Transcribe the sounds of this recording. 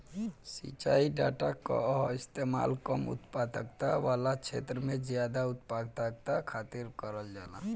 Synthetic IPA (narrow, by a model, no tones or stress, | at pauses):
sḭt͡ʃaiɖaʈakɔ̰ɦist̪ema̰lkɔmṵt̪pad̪əkt̪aʋalat͡ʃʰḛt̪ɾəmẽd͡ʒjad̪aut̪paɡt̪ak̚t̪akʰat̪iɾkəɾəld͡ʒala̰